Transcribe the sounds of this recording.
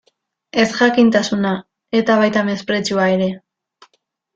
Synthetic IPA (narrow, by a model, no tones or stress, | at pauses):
e̞sʝakint̪asuna | e̞t̪aβajt̪ame̞spɾe̞t͡suaeɾe̞